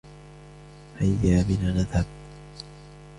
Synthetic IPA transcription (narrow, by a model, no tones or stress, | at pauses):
hajːaːmɪnanaðhab̚t̪